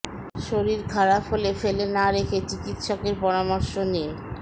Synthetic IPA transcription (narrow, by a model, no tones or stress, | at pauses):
ʃoɾiɾɡʱaɾafolefelenaɾekʰet͡ɕikit̪ʃɔkeɾpɔɾamɔɾʃone